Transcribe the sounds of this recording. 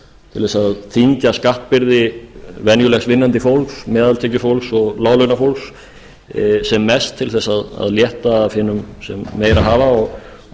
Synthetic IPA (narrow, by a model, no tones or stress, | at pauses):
t̪ʰɪlvɛsaðθiɲcaskaht̪pɪɾðɪvɛnjʏlɛxsvɪnːant̪ɪfowlksmɛːðalt̪ʰɛːcʏfowlksɔɣlaːwlʏnafowlks | sɛmːɛst̪ʰːɪlθɛsːaða̰ðljɛht̪aːfhɪːnʏmsɛmːeːjɾaɦaːvaɔɣ